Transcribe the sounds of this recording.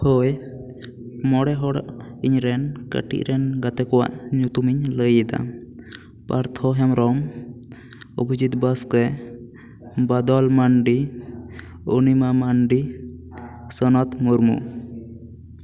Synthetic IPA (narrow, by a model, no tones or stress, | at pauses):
hɔj | mɔɽɛɦɔɽa̰ʔiɲɾɛnkə̰ʈḭʔɾɛnɡat̪ɛkɔwa̰ʔɲut̪umiɲləjɛd̪a̰ | paɾt̪ʰɔɦɛmɾɔm | ubʱid͡ʒit̪̚baskɛ | bad̪ɔlmaɳɖi | unimamaɳɖi | sənat̪muɾmṵ